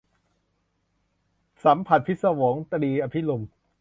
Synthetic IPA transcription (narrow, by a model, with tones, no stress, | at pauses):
sa˩˦mpʰa˨˩t̪̚pʰi˦˥t̪̚sa˧woː˩˦ŋt̪a˧ɾiː˧ʔa˧pʰi˦˥lu˧m